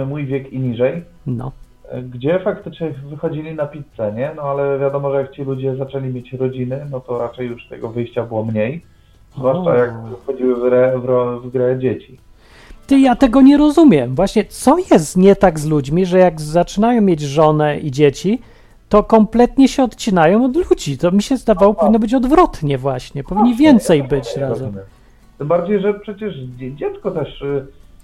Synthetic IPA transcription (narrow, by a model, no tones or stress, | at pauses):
mujvʲjɛkiɲiʐɛj | nɔ̰ | ɡd͡ʑɛfakt̪ɘt͡ʂɲɛvɘxɔd͡ʑilʲinapʲit̪sɛɲɛnɔalɛvʲjad̪ɔmɔʐɛjak̚t͡ɕilud͡ʑɛzat͡ʂɛlʲimʲjet͡ɕɾɔd͡ʑinɘnɔt̪ɔɾat͡ʂɛjːuʂst̪ɛ̰ɡɔvɘjɕt͡ɕabɘwɔmɲej | zvwaʂajakxɔd͡ʑiwɘvɾɛvɾɔvɡɾɛd͡ʑet͡ɕi | t̪ɨjat̪ɛɡɔɲɛɾɔzumʲjɛmvwaɕɲɛt̪sɔjɛst̪ɲɛt̪aɡzlud͡ʑmʲiʐɛjaɡzat͡ʂɘnajɔ̃w̃mʲjed͡ʑʐɔnɛʔid͡ʑet͡ɕi | t̪ɔkɔmplɛt̪ɲɛɕɛɔt̪t͡ɕinajɔ̃w̃ɔd̪lud͡ʑit̪ɔmʲiɕɛzd̪avawɔpɔvʲinːɔbɘt͡ɕɔd̪vɾɔt̪ɲɛvwaɕɲɛpɔviɲːivʲjɛnt̪sɛjbɘt͡ɕɾazɛmɛ | t̪ɨmbaɾd͡ʑejʐɛpʂɛt͡ɕɛʂd͡ʑɛt̪skɔt̪ɛʂ